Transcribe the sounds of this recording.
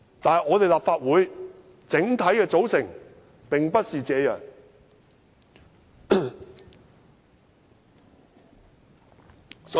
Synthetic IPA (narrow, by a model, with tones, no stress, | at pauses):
t̪aː˨nɐ˨jŋɔː˨˧t̪e˨jlaː˨pfaː˧t̚wuː˨˧j | t͡sɪ˨˥ŋt̪ʰɐ˨˥jkɛː˧t͡so˨˥wsɪ˨˩ŋ | pɪ˨ŋpɐ˥t̚siː˨t͡sɛː˨˧jœ̰ː˨ŋ | s